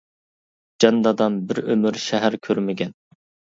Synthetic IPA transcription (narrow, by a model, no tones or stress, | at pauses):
d͡ʒɑnd̪ɑd̪ɑnbɪɾømyɾʃɛɦæɾkʲʰøɾmɪɡʲɛn